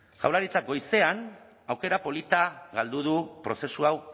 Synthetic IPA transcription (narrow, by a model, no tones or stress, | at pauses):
ʝa̰wlaɾit͡sak̚ɡo̞jse̞an | awke̞ɾapo̞lit̪aɣald̪uð̞upɾo̞se̞suaw